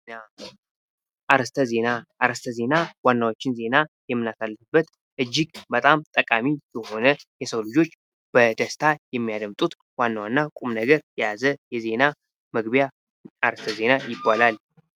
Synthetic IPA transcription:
a | ʔaɾəst̪ʰəze̞naʔːɾəst̪ʰəze̞nawanːawot͡ʃːɪnze̞najɛmːɨnasalːɨfɨbːət̪ | ʔɨd͡ʒːɪɡbət̪ʼamt̪ʼəkʼamijɛho̞nəjɛsəwlɨd͡ʒo̞t͡ʃː | b̥əd̪əst̪ʰajɛmːijad̪əmt̪ʼut̪ | wanːawanːakʼumnəɡəɾjɛjazəjɛze̞na | məɡbja | aɾəst̪ʰəze̞najɪbːalal

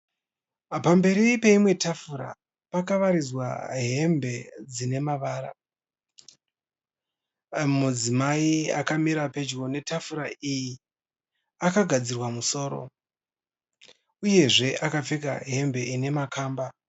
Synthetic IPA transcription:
pambe̞ɾipe̞imwe̞tafuɾa̰ | pakaʋaɾizwa̰ɦe̞mbe̞d͡zine̞maʋaːɾa̰ | mud͡zimaia̰kamiɾape̞d͡ʒɡo̞ne̞tafuɾaiji | akaɡʱad͡zirwamuso̞ːɾo̞̰ | uje̞ʐe̞ʔakap͡feka̰ɦe̞mbe̞ine̞makaːmba

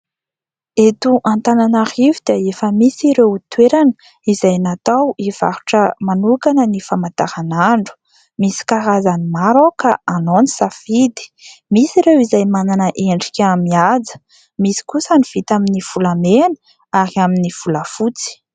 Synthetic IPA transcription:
et̪uʔant̪ananaɾivud̪̥iaefəmisiɾewt̪weɾanə | izajnat̪awiv̥a̰ɾuʈ͡ʂəmanukanənifamat̪aɾanaɳɖ͡ʐu̥ | misi̥kaɾazanimaɾokaanonisafid̪i̥misiɾewizajmananəʔeɳɖ͡ʐi̥kʲamiad͡zə̥ | misi̥kusəniv̥it̪aminiv̥ulamenə | aɾiaminiv̥uləfut͡si̥

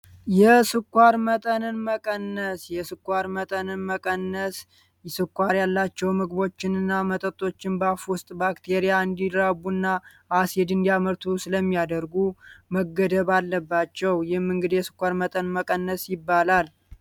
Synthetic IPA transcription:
jɛsɨkʼʷːaɾmət̪ʼənɨnməkʼənːəsjɛsɨkʷːaɾmət̪ʼənɨnməkʼənːəs | sɨkʷːaɾjalːat͡ʃːɛwmɨɡbo̞t͡ʃːɪnɨnːamət̪ʼət̪ʼːo̞t͡ʃːɪnbafʊst̪ʼbakt̪ʰeɾijaɨnd̪iɾaβunːa | ʔased̪ɨnd̪ijaməɾt̪ʰusɨləmːijad̪əɾɡuməɡːəd̪əβalːəbːat͡ʃːɛwjɪhmːɨŋɡɨd̪jɛsɨ̥kʷːaɾmət̪ʼənməkʼənːəsjɪbːalal

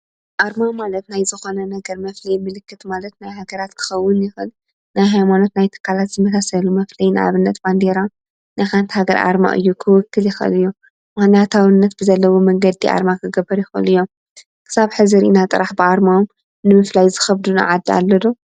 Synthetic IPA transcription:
ʔaɾmamalɐt̪najzɨxo̞nɐnɐɡɐɾmɐflɐjmɨlɨkːɨt̪malɐt̪najɦaɡɐɾat̪kʰɨ̥xɐwːʊnjɪxɨl | najɦajmano̞t̪najt̪ʰɨ̥kʰːalat̪z̥ɨmɐsʰasɐlumɐflɐjnɨʔa̰βɨnːɐt̪b̥and̪eɾa | najxant̪ʰhaɡɐɾʔa̰ɾma̰ʔɨ̰jːukʰɨwɨkːɨljɪxʔɨ̰lɨjːu | manat̪ʰaβɨnːɐt̪b̥ɨzɐlːɐwomɐŋɡɐd̪ːiʔa̰ɾmakʰɨɡɐbːɐɾjɪxɨlɨjːom | kʰɨ̥saβħɨzɨɾinat̪ʼɨɾaħbɨʔaɾmaom | nɨmɨflajzɨxɐβd̪una̰ʕad̪ːia̰lːɐd̪u

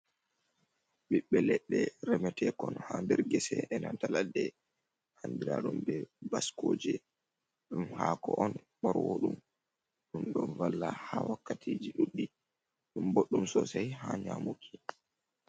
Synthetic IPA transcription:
ɓiɓːɛlɛɗːɛɾɛmɛtɛkɔnhandɛɾɡɛsɛɛnantaladɛ | handiɾaɗumbɛbaskoːd͡ʒɛ | ɗumhaːkɔʔɔn | ɓɔɾwoɗum | ɗumɗɔnvalːahawakːatʰiːd͡ʒiɗuɗːi | ɗumboɗːumsɔsajɦaɲamukʰi̥

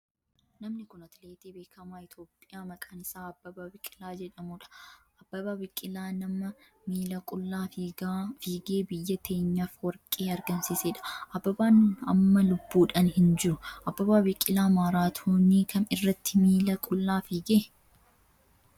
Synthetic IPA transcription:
nɐmnɪkʊnɐt̪leːt̪iːbe̞ːkʰɐmaːɪt̪ʰo̞ːpʼːɪjaːmɐkʼɐnsaːɐbːɐbaːbɪkʼːɪlaːd͡ʒɛᶑɐmuːᶑɐ̥ | ɐbːɐbaːbɪkʼːɪlaːnɐmɐ | miːlɐkʼʊlːaːfiːɡaːfiːɡe̞ːbɪjːɐt̪ʰeːɲːafwɐɾkʼːeːɐɾɡɐnsɪseːᶑɐ̥ʔɐbːɐbaːnɐmːɐlʊbːuːᶑɐnhɪnd͡ʒɪɾʊʔɐbːɐbaːbɪkʼɪlaːmaːɾaːt̪ʰoːniːkʰɐnɪrːɐt̪ʰːɪmiːlɐkʼʊlːaːfiːɡeː

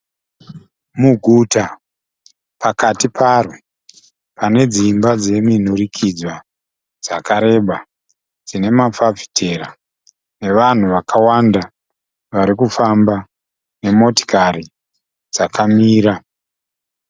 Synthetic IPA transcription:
muɡʱuta | pakatipʰaro | pane̞d͡zimbad͡ze̞min̤urikʰid͡zwa | d͡zakaɾe̞ɓa | d͡zine̞mafavi̥tʰe̞ɾa̰ | ne̞ʋan̤uʋakʰawanda | ʋaɾikufamba | ne̞mo̞ti̥kaɾi | d͡zakamiːɾa

